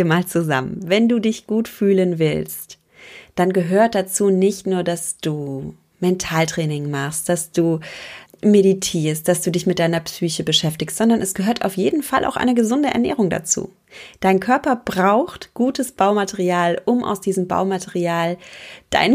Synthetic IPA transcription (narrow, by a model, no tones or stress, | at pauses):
maːlt͡suza̰mənvɛnduːdɪçɡ̥uːtfyːlənvɪ̰lst | d̥anɡəɦøːɐt̚d̥at͡suːnɪçtnuːɐdasd̥uː | mɛntʰaːltʁ̥ɛːnɪŋmaχst̚d̥asd̥uː | meɾitʰiːɐst̚d̥asd̥uːdɪçmɪt̚d̥aɪnɐpsyːçəbəʃɛftɪçstz̥ɔndɐnɛsɡ̥əɦøːɐtʔa̰ʊfjeːdn̩falʔa̰ʊxʔa̰ɪnəɡəzʊndəʔɛ̰ɐnɛ̰ːʁ̞ʊŋda̰t͡sṵː | d̥aɪnkʰœɐpɐb̥ʁaʊxtɡ̥uːtəsb̥aʊmatʰɛʁiaːlʔʊmʔa̰ʊsd̥iːzəmba̰ʊmatʰɛʁiaːld̥a̰ɪn